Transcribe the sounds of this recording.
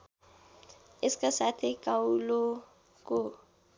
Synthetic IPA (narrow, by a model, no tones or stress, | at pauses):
ɪskʼasatʰɪkʼaulo | kʼʊ